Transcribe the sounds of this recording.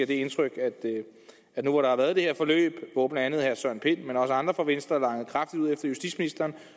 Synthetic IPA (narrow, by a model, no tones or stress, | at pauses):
ɐ̰d̥e̝e̝nt͡sʰʁœɡ̥æd̥ | æ̥nuʋɑɾɑ̈hɑ̈ʋæːɐð̞ˠd̥e̝heɐ̰fɒ̽lø̰ːb̥ʋɔːb̥n̩ænð̩ˠhæɐsɶɐ̰npʰe̝n̰menɒ̽səɑ̈nd̥ʁɐfɒ̽ʋen̰sd̥ʁɐlɑ̈ŋð̩ˠkʰʁɑ̈fd̥id̥uð̰ˠefd̥ɐjusd̥id̥sminisd̥ɐːn